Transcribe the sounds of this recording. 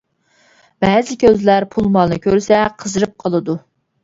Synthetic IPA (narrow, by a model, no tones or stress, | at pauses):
bɛzɪkʲʰøzlæɾpʰulˠmɑlˠnɨkʲøɾsɛqʰəzɨɾɨp̚qʰəlˠɨd̪u